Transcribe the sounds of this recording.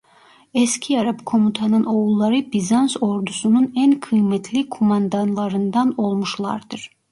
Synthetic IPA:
ɛscʰiaɾapkʰo̞mut̪ʰanɯno̞ulˠːaɾɯbizanso̞ɾd̪usununænkʰɯjmɛt̪ʰlʲikʰomand̪anlˠaɾɯnd̪ano̞lˠmuʃlˠa̰ɾd̪ɯɾ̥

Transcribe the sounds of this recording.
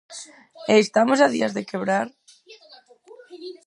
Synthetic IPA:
eːst̪amosaðḭazðekeβɾaɾ

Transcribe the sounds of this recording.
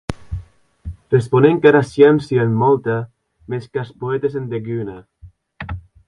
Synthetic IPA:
responeŋkaɾasjansienːɔlt̪a | meskaspoet̪esend̪eɡyna

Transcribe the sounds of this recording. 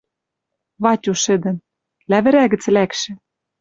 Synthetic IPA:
βɑtʲuʃɘ̆d̪ɘ̆n | læβɘ̆ɾæɣɘ̆t͡slækʃɘ̆

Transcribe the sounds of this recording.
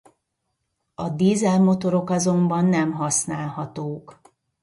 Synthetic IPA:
ɒd̪iːzɛlmo̞t̪o̞ɾo̞kɒzo̞mbɒnːɛmɦɒsnaːlhɒt̪oːk

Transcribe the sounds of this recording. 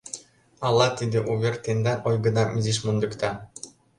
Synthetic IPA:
ɑlˠːɑt̪ʲid̪ʲɘ̆ʔuβʲerʲt̪enʲd̪ɑʔojɡɤ̆d̪ɑmizʲiʃmund̪ɤ̆kt̪ɑ

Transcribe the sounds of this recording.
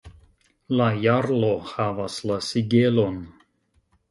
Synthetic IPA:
lajaɾlohavaslasiɡelo̞n

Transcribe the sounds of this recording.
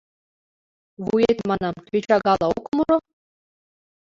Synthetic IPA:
ʋujet̪mɑnɑmt̪ʲet͡ɕɑɡɑlˠɑukmɤɾɤ̆

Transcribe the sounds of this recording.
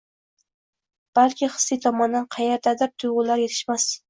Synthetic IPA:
b̥alkʲʰɪχɨ̥sːɪt̪ʰɒmɒnd̪anqʰɑjeɾd̪ad̪ɪɾ̚t̪ʰʊjʁʊlaɾjet̪ʰɪ̥ʃmas

